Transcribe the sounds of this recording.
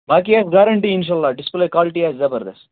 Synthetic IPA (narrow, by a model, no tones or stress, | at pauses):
baːk̬iasɡaɾɐɳʈiinʃ̬aːlːaːɖɪspleːkwaːlɪʈiaːzzɐbɐɾd̪ḛs